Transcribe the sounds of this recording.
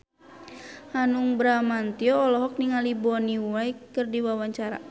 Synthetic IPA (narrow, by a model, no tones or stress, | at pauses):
hanuŋbɾamant̪iɔːlɔɦɔk̚niŋalibɔniwaikɨrdiwawaɲt͡ʃaɾa̰